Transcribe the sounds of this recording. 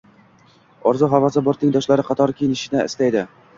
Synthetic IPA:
ɒɾzʊɦavasɪbɒɾt̪nɪŋʲd̪ɒʃlaɾɪqʰɑt̪ʰɒɾkʲʰejɪnɪʃɪnɪɪ̰slajd̪ɪ

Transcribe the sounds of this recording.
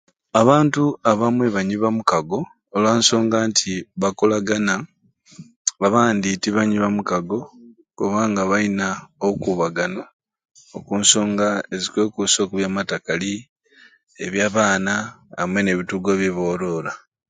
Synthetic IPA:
aβaːntuaβamwe̞βaɲiβamukaɡo̞ː | lwaːnso̞ːŋɡaːntʰiβakolaɡana | βaβaːnditiβaɲiβamukaɡo̞ | kuβaːŋɡaβainaokuβaɡano | okunso̞ːŋɡae̞zikwe̞ːkuso̞ːkuβjaːmatakali | eβjaːβaːnaːmwe̞ne̞βituɡoβje̞βo̞ːɾo̞ːla

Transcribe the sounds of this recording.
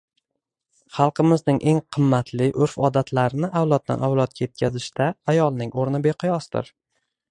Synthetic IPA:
χɑlˠqʰɨmɪznɪŋʔe̞ŋqʰɨmːat̪ʰlɪʔʊɾfɒd̪at̪ʰlaɾɪnɪʔawlˠɒt̪̚d̪a̰nawlˠɒt̪̚kʲʰajet̪̚kʲʰazɪʃt̪ʰaːjɒlˠnɪŋoɾnɪbeqʰʊjɒsd̪ɪ̰ɾ

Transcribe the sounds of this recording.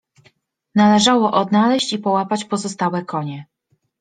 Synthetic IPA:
nalɛʐawɔʔɔd̪nalɛɕt͡ɕipɔwapat͡ɕpɔzɔst̪awɛkɔɲɛ

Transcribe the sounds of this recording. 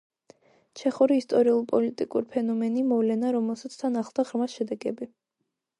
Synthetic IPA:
t͡ʃʰɛχuɾiːst̪ʼɔɾiulˠpʼɔlit̪ʼikʼuɾipʰɛnɔmɛnimɔvlɛnaɾɔmɛlˠsat̪sʰt̪ʰanaχlˠd̪aʁɾmasʃɛd̪ɛɡɛbi

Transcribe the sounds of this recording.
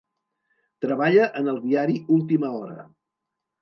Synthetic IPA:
t̪ɾəβ̞aʎəʔənəlˠd̪iaɾiulˠt̪iməɔɾə̰

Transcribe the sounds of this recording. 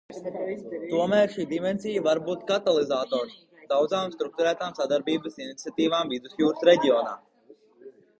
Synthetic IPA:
t̪uɔmæːɾʃiːd̪imɛnsijəvaɾbuːt̪kat̪alˠizaːt̪oːɾs | d̪awd̪zaːmst̪ɾuk̚t̪uɾæːt̪aːmsad̪aɾbiːbəsinit̪siat̪iːvaːmvid̪usjuːɾsɾeɟʲioːna̰ː

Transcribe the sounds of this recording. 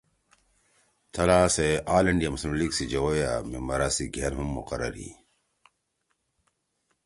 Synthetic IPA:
t̪ʰɐlaːseʔaːlɐɳɖijamuslimliːɡsid͡ʑɐwoja̰ːmemɐɾaːsiɡʱeːnɦumːṵqɐɾɐ̰ɾḭː

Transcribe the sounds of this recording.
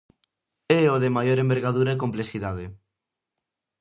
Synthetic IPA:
ɛoðemajoɾembeɾɣaðuɾaekomplesiðað̞e

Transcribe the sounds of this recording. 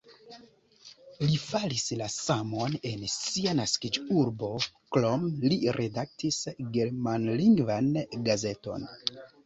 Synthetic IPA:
lifalislasamo̞ne̞nsianaskid͡ʒuɾbo̞klo̞mliɾʔe̞dak̚tisɡe̞ɾmanliŋɡvanɡaze̞to̞̰n

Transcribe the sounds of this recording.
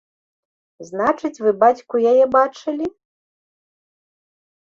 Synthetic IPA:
znat͡ʂɨt͡sʲvɨbat͡sʲkujajɛbat͡ʂɨlʲi

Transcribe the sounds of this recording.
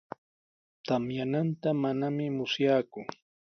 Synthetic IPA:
t̪amjanant̪amanamɪmʊsjaːkʊ

